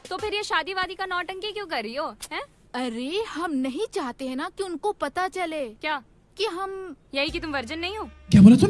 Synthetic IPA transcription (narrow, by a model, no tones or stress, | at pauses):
t̪opʰɪɾjeʃaːd̪iʋaːd̪ikanɔːʈə̃ŋkikjõkɐɾːioːɦɛ̃ː | ɐɾehɦɐmnɐɦĩt͡ʃaːɦt̪eɦɛ̃nakiʊnkopɐt̪at͡ʃɐleːkjaː | kiɦɐmjɐɦikit̪ʊmʋɐɾd͡ʒənːɐɦĩɦoːkamɐɾɐt̪ʊ